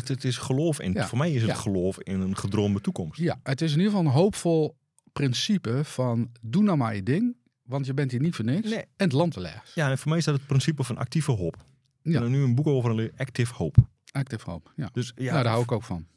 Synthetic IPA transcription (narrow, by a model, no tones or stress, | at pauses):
ətɪsxəloːfɪ̰nfoːmɛjɪsətxəloːfɪnənχədroːndətukɔmstjaətɪs̬ɪniəfɑlˠənɦowpfolˠ | prɪnsipəfɔndunamajədɪŋ | ʋɑntjəbɛntɦiːnitfənɪksɛnətlˠɑntəlɛ̰ːsjafoːrmɛjɪsdɔtət̚prɪnsipəfɔnʔa̰k̚tivəɦop | aənyənbukoːvərənlɪɛktɪfhowp | ak̚tɪfho̰wpjadøsjanaːdaɦawɪkoːkfɔn